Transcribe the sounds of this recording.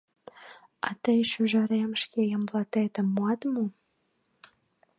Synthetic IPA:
ɑ̰t̪əjʃyʒɑɾemʃkejəmblɑt̪et̪ə̆mːuɑt̪mu

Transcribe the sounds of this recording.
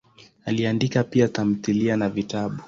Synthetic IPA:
aliandikapiatam̩θilianavitaɓu

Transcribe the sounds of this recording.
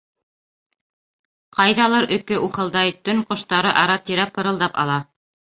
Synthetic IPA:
qɑjðɑlˠɤɾʔɵ̆kɘʔuχɤ̆lˠd̪ɑjt̪ɵŋqŏʃt̪ɑɾɤʔɑɾɑt̪iɾæpɤ̆ɾɤ̆lˠd̪ɑpɑ̰lˠɑ

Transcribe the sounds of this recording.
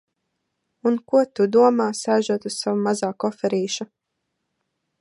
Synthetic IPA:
unkuɔt̪ud̪uɔmaːsaːjʒuɔt̪ussavamazaːkɔfɛɾiːʃu

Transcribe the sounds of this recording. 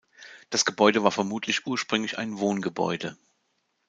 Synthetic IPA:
d̥asɡ̥əbɔʏdəvaːɐfɛɐmuːtʰlɪçʔuːɐʃpʁ̥ʏŋlɪça̰ɪnvoːnɡəbɔ̰ʏdə

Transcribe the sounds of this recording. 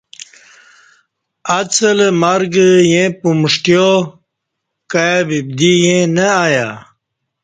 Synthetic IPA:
at͡səlmaɾɡjẽpumʂʈjo | kabib̚d̪ijẽnəaja

